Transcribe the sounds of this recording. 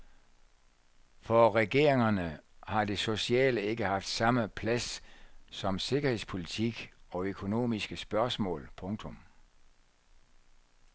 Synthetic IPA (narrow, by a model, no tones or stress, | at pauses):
fɒʁɛɡ̥e̝ɐ̰eŋɐnəhɑ̈d̥eso̝siɛ̰ːləe̝ɡ̥əhɑ̈fd̥sɑ̈məpʰlæssɒ̽mse̝ɡ̥ɐhe̝ðˠspʰo̝lit͡sʰiɡ̥ɒ̽økʰo̝no̝̰ːmisɡ̥əsb̥ɶɐsmɔ̰̽ːlpʰɔ̽ŋt͡sʰɔ̽m